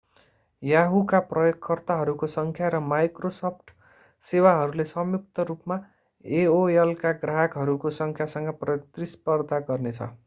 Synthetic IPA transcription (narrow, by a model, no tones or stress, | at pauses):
jaɦukaprʌjokʰːʌrt̪aɦʌɾukosʌŋkʰjaɾʌmajkrosʌp̚ʰʈ | sewaɦʌɾulesʌmjuk̚t̪ʌɾupma | eoelkaɡraɦʌkɦʌɾukosʌŋkʰjasʌŋɡʌprʌt̪rispʌrd̪ʱaɡʌrnet͡sʰʌ̰